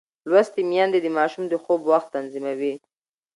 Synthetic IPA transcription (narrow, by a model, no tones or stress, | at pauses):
lwast̪imjɑnd̪ed̪əmɑʃumd̪əxobwaxt̪ːanzimawi